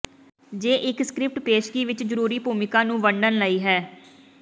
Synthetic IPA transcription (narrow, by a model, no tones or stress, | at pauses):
d͡ʒeːʔɪkskɾɪp̚ʈpeːʃkiːʋɪt͡ʃd͡ʒəɾuːɾiːpuːmɪkãːnũːʋəɳɖənləiːɦɛː